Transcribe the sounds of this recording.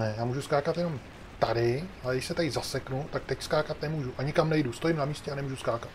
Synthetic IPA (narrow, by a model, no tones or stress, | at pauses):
ɛjaːmuːʒuskaːkat̪jɛno̞m | t̪adɪalɛɡdɪʃsɛt̪ajɪzasɛknut̪ak̚t̪ɛcskaːkat̪nɛmuːʒuʔaɲɪkamnɛjdust̪o̞jɪmnamiːscɛanɛmuːʒuskaːkat̪